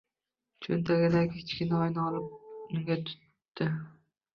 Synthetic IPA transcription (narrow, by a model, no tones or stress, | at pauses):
t͡ʃʰʊ̰nt̪ʰaɡʲɪlakʲʰet͡ʃkʲɪnaɒjnɪɒlɪp̚nɪŋɡʲat̪ʰʊ̥t̪ː | ɪ